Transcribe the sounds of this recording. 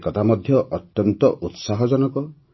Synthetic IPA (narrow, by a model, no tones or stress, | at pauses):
kɔt̪ʰamɔd̪ʱjɔʔɔt̪jɔnt̪ɔʔut̪saɦɔd͡ʒɔnɔkɔ